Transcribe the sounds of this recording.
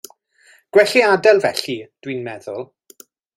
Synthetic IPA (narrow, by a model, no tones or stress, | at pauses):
ɡ̥wɛɬiadɛlˠvɛɬid̥winmɛðʊlˠ